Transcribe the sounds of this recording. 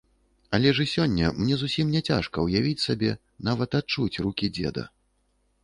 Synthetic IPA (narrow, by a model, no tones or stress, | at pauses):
ɐlʲɛʐɨsʲɔnʲːɐ̰mnʲɛzusʲimnʲɛt͡sʲaʂkɐwjavʲit͡sʲsabʲɛ | navɐt̪at̪̚t͡ʂut͡sʲrukʲid͡zʲɛ̰d̪ɐ̰